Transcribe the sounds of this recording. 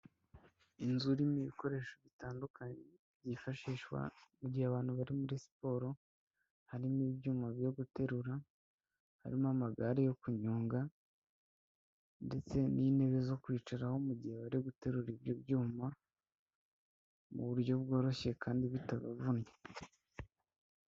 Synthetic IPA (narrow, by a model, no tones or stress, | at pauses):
inzuɾimiβiko̞ɾe̞ːʃo̞βitaːndukʰaɲe | bɟifaʃiːʃwa̰muɟihaβaːn̥huβaɾimuɾisi̥po̞ɾo̞ | haɾimiβjuːmaβjo̞ɡute̞ɾuɾa | haɾimamaɡaɾejo̞kuɲuːŋɡa | nde̞t͡se̞nine̞βe̞zo̞kwiːt͡ʃaɾaho̞muɟiheβaɾeɡute̞ɾuɾiβjobjuːma | muβuɾjo̞βɡo̞ːɾo̞ʃe̞kʰaːndiβitaβavunɲe